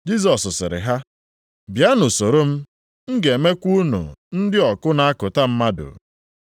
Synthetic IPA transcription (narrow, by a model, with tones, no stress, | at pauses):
d͡ʒi˦s̬ɔ˨sʊ˨sɪ˨ɾɪ̰˨ɦa˦ | bja˦nʊ˨so˨ɾo˦m̩˦ | ŋ̩˦ɡe˨me˦kʷu˦nṵ˨n̩˦dɪ˦ɔ˨kʊ˦na˨˦a˦kʊ˨ta˦m̩˦ma˦dʊ̰˨